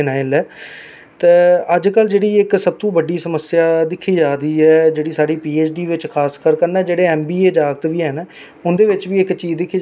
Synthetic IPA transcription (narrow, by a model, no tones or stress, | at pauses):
naːɪlɛː | t̪eːəd͡ʒkəld͡ʒeːɽiːɪksəb̚t̪õːbəɖiːsəməsɪjaːd̪ɪkʰːiːd͡ʒaːɾiːɛːd͡ʒeːɽiːsaːɽiːpiːeːt͡ʃɖiːʋɪt͡ʃkʰaːskəɾkəɾnɛ̃ːd͡ʒeːɽeːɛːmbiːeːd͡ʒaːɡət̪ʋiːɦən | ʊnd̪eːʋɪt͡ʃʋiːɪkt͡ʃiːd̪ɪkʰːiː